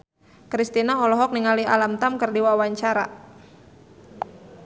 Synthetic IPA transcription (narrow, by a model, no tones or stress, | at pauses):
kɾist̪inaɔlɔɦɔk̚niŋalia̰lamt̪amkərdiwawaɲt͡ʃaɾa̰